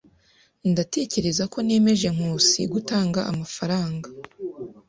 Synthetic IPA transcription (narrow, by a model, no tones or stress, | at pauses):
ndate̞ːce̞ɾe̞zako̞ne̞ːme̞ʒe̞ŋ̥uːsḭɡutaːŋɡaʔamafaɾaːŋɡa